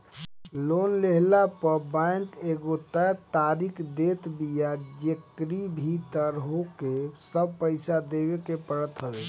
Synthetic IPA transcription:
lonleɦlapəɾbaŋk̪eɡot̪ət̪aɾikʰd̪et̪bijad͡ʒekɾibʱit̪əɾɦokesəb̚pəɪsad̪eβekepəɽət̪ɦəbe

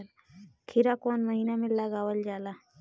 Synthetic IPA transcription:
l | kʰɪɾakoːnməɦiːnamẽləɡaːwəld͡ʒaːlaː

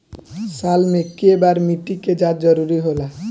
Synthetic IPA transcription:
salmẽkiebaɾmiʈiked͡ʒad̪̚d͡ʒʌɾuɾiɦola

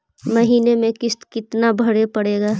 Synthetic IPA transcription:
mɐɦiːnemẽkɪst̪kɪt̪nabʱəɽepəɽeːɡaː

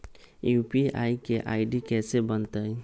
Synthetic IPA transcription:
jupia̰jkeʔajɖikɛsebənt̪əj

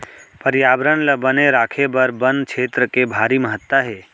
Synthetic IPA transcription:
pəɾjaːbɾənləbəneɾaːkʰebəɾbənd̪̚t͡ʃʰeːt̪ɾəkebʱaːɾiməɦət̪ːaɦeː

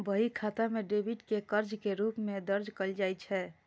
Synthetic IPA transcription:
bəɦikʰat̪amẽɖebʱiʈkekəɾd͡ʒkeɾuːpmẽd̪əɾd͡ʒkəld͡ʒaːjt͡ʃʰɛ

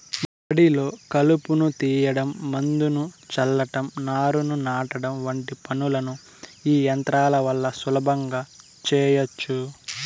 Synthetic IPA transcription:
pɐɽilo̞ːkɐlupunut̪iːjɐɽɐmːɐnd̪unut͡ʃɐlːɐʈɐmnaːɾununaːʈɐɽɐmʋɐɳʈipɐnulɐnu | iːjɐnt̪ɾaːlɐʋɐlːɐsulɐbʱɐŋɡaː | t͡ʃɛːjɐt͡ʃːu

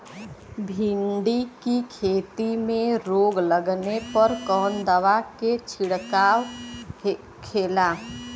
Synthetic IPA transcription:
bʱiɳɖikikʰeːt̪imẽɾoːɡləɡnepəɾkɔːnd̪əʋaket͡ʃʰiɽkaːw | kʰeːla

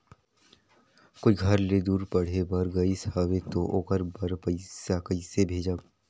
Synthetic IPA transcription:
koːiɡʱɐɾled̪uːɾpɐɽ̤ɦebɐɾɡɐisaːwet̪oʔoːkəɾbɐɾpəɪsakɐisebʱeːd͡ʒaː

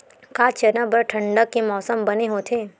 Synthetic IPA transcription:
kaːt͡ʃɐnəbəɾʈʰɐ̃ɳɖəkːemɔːsəmbɐneɦot̪ʰeː

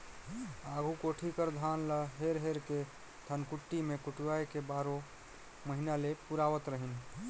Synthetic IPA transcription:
aɡʱukoʈʰikəɾd̪ʱanləɦeɾɦeɾke | t̪ʰənkuʈːimekuʈuajkebaɾo | məɦinalepuɾaʋət̪ɾəɦin

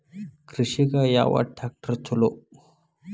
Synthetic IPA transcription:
kɾiɕikajaʋa̰ʈʰak̚ʈəɾt͡sʰolo

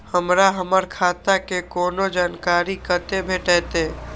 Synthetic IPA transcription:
həmɾaɦəməɾkʰaːt̪akekoːnod͡ʒaːnkaːɾikət̪ebʱeːʈɛːt̪eː

